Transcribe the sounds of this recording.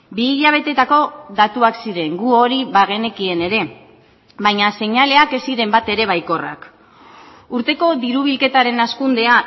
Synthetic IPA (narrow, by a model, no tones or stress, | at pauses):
biːʎaβ̞e̞t̪e̞t̪ako̞ðat̪uaksiɾe̞ŋɡuo̞ɾiβaɣ̞e̞ne̞kie̞ne̞ɾe̞ | bajɲase̞ɲale̞ake̞siɾe̞mbat̪e̞ɾe̞β̞ajko̞ra̰k | uɾt̪e̞ko̞ðiɾuβ̞ilke̞t̪aɾe̞naskund̪e̞a